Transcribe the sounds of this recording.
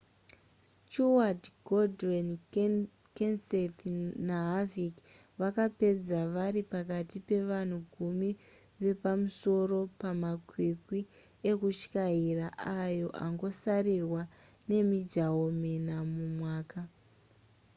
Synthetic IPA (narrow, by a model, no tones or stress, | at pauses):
stuadɡoden | kensetnaɦavik | ʋakape̞d͡zaʋaɾipakatipe̞ʋan̤uɡʱumi | ʋe̞pamuso̞ro̞pamakwikwi | e̞kut͡ʃkairaʔajo̞ʔa̰ŋɡo̞sarirwa | ne̞mid͡ʒaomenamumwaːka